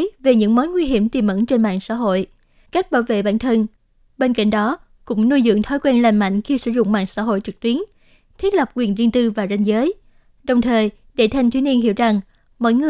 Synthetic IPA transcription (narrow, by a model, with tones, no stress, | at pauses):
ve˨˩ɲɨ̰˧˥ŋmo˨˦jŋwi˧ɦi˧˩əmt̪i˨˩mʔə̰˧˥nt͡ɕe˧nma̰ː˧˨ŋsa̰ː˧˥ɦo̰˧˨j | ka˦˥jk̟̚ɓaː˧˩wvḛ˧˨ɓa̰ː˧˩˨nt̪ʰə˧n | ɓe˧nka̰˧˨jŋ̟ɗɔ˨˦ | kʊ̰˧˥ŋ͡mnu˧jzɨ̰˧˨əŋt̪ʰɔ˨˦jkwɛː˧nlaː˨˩nma̰˧˨jŋ̟xi˧sɨ̰˧˥zʊ̰˧˨ŋ͡mma̰ː˧˨ŋsa̰ː˧˥˨ɦo̰˧˨jt͡ɕɨ˨˩k̚t̪wi˨˦ən | t̪ʰi˦˥t̚lə˨˩p̚kwi˨˩ənzi˧ŋt̪ɨ˧vaː˨˩za˧jŋ̟zəː˨˦j | ɗə˨˩wŋ͡mt̪ʰəː˨˩j | ɗe˧˩t̪ʰa˨˧˩jŋt̪ʰwi˨˦ɲi˧ənɦḭ˧˩əwza˨˩ŋ | mɔ̰ː˧˥jŋɨ˨˩